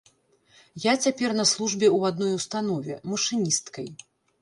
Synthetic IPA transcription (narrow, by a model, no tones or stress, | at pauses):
jat͡sʲapʲɛrnɐslˠuʐbʲɛwad̪nɔjust̪anɔvʲɛ̰mɐʂɨnʲist̪kɐj